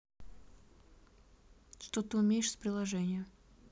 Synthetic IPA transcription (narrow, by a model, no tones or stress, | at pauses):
ʂt̪ot̪ɨʊmʲejɪʂsʲpɾʲɪlˠɐʐɛnʲɪjə